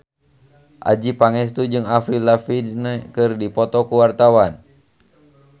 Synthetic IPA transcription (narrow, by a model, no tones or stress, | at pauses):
ʔa̰d͡ʒipaŋɛst̪ud͡ʒɨŋafɾilafidnɛkɨrdipɔt̪ɔkuwart̪awan